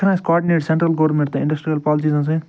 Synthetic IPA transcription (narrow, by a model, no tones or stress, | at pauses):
ɾãːskɔːɾɖineːʈsẽɳʈɾəlɡoʋɾmẽɳʈt̪ːɪ̃ɳɖəsʈɾijɐlpɔːlsiːzãːs̬ẽ